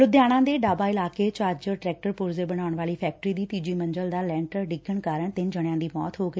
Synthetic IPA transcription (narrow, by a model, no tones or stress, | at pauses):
ɾʊd̪jaːɽ̃ãːd̪eːɖaːbaːɪlaːkeːt͡ʃaːɾd͡ʒəʈɾɛːk̚ʈəɾpʊɾzeːbəɽ̃aːʊɳʋaːliːpʰɛːk̚ʈəɾiːd̪iːt̪iːd͡ʒiːmə̃nd͡ʒəld̪aːlɛ̃ːɳʈəɾɖɪɡəɳkaːɾəɳt̪ɪnd͡ʒəɽ̃jãːd̪iːmɔ̰ːt̪ɦoːɡəi